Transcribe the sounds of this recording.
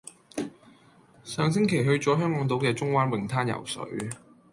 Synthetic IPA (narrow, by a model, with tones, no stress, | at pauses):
sœː˨ŋs̬ɪ˥ŋkʰe˨˩jɦɵ˧ɥt͡sɔː˨˥ɦœː˥ŋkɔː˨˥ŋt̪o˨˥wkɛː˧t͡sʊ˥ŋwaː˥nwɪ˨˩ŋt̪ʰaː˥njɐ̰˨˩wsɵ̰˨˥ɥ